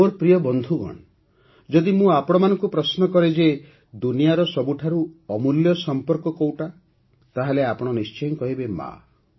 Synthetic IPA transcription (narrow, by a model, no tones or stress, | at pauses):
oɾpɾijɔbɔnd̪ʱuɡɔ̰ɳ̃ | d͡ʒɔd̪imũapɔɽ̃ɔmanɔŋkupɾɔsnɔkɔɾed͡ʒe | d̪unijaɾɔsɔbuʈʰaɾuɔmuljɔsɔmpɔɾkɔkowʈa | t̪aɦeleapɔɽ̃ɔnist͡ʃɔjnkɔɦibema̰